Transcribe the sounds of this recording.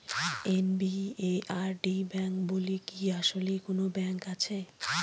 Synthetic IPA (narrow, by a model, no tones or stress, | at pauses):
enbieʔaɾɖibɛŋkbolikiaʃolekonobɛŋkat͡ɕʰe